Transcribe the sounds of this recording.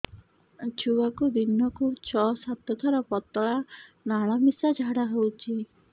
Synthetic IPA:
t͡ʃʰuwakud̪inɔkut͡ʃʰɔsat̪ɔt̪ʰaɾɔpɔt̪ːɔɭa | naɭ̃amisad͡ʒʱaɽaɦewt͡ʃʰi

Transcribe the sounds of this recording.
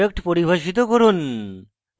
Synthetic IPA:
ek̚ʈpoɾibʱaʃit̪̬okoɾun

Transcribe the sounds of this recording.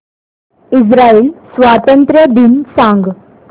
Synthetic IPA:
isɾaiːlsʋat̪ənt̪ɾjəd̪iːnsãŋɡ

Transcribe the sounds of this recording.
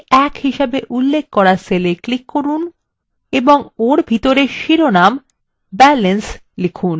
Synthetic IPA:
ɛkhiʃebeʔulːek̚ʰkɔɾaseleklikːoɾun | eboŋoɾbʱit̪oɾeʃiɾonam | bɛlens | likʰun

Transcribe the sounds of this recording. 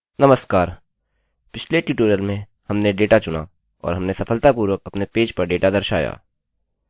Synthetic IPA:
nɐməskaːɾ | pɪt͡ʃʰleʈiʈoːɾijəlmẽ | hɐmneɖeːʈat͡ʃʊna̰ | ɔ̰ːɾɦɐmnesɐfʰəlt̪apuːɾwəkɐpnepeːd͡ʒpɐɾɖeːʈad̪ɐɾʃa̰ːja̰ː

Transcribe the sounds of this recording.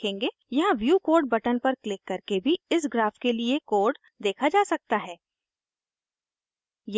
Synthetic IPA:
ẽːŋɡe | jɐɦãʋjuːkoːɾɖ̚bɐʈənpɐɾklɪkːɐɾkebʱiɪs̬ɡɾaːfkeliekoːɾɖ | d̪eːkʰad͡ʒaːsɐk̚t̪aɦɛː | j

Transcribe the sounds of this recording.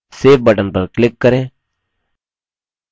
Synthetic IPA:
seːf̚bəʈənpəɾklɪkːəɾẽː

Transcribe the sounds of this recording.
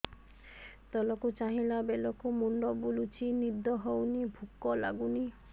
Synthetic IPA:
t̪ɔlɔkut͡ʃaɦĩlabelɔkumuɳɖɔbulut͡ʃʰinid̪ɔɦɔwnibʱukːɔla̰ɡuni

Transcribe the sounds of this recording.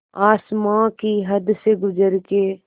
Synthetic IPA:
aːsmãkiɦɐd̪seɡʊd͡ʒəɾke

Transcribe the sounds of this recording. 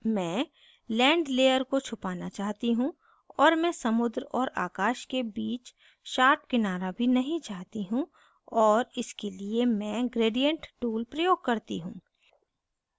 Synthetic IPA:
mɛ̃ː | lɛ̃ːɳɖleːjəɾkot͡ʃʰʊpaːnat͡ʃaːɦt̪iɦũ | ɔːɾmɛ̃sɐmʊd̪ɾɔːɾa̰ːkaːʃkebiːt͡ʃ | ʃaːɾp̚kɪnaːɾabʱinɐɦĩt͡ʃaːɦt̪iɦũ | ɔːɾɪskeliemɛ̃ːɡɾeːɖijə̃ɳʈʈuːlpɾɐjoːɡ̚kɐɾt̪iɦũː

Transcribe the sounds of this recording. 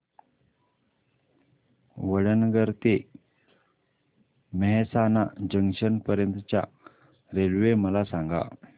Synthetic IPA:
ʋəɭənɡəɾt̪e | məɦɛsanad͡ʑəŋɕənpəɾjənt̪ət͡ɕja̰ | ɾelʋeməlasaŋɡa̰

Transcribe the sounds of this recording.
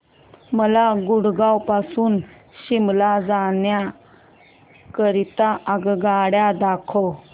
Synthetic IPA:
məlaɡuɽɡawpasuːn | ɕimlad͡zaɳja | kəɾit̪aʔəɡɡaɽjad̪akʰɔ

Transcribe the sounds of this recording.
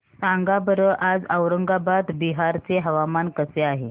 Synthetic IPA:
saŋɡabəɾəʔad͡zəwɾəŋɡabat̪biɦaɾt͡seɦəʋamankəseaɦe

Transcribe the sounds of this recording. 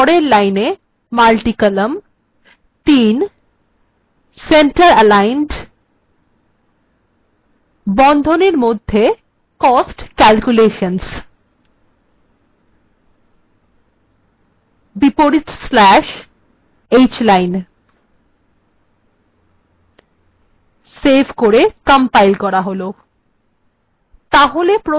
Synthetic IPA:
ɔɽeɾlajne | malʈikələm | t̪in | seɳʈəɾəlajnɖ | bɔnd̪ʱoneɾmod̪ʱːe | kɔsʈkɛlkuleʃəns | bipoɾiʈslɛʃ | et͡ɕlajn | sebʱkoɾekampajlkɔɾaɦolo | t̪aɦolepɾo

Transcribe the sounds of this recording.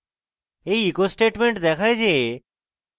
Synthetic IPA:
ejikosʈeʈmeɳʈd̪ɛkʰajd͡ʒe

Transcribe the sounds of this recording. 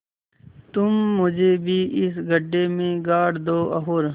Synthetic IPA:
t̪ʊmːʊd͡ʒʱeːbʱiːʔɪsɡʱəɖemẽɡaːɽd̪oːʔɐɦoːɾ

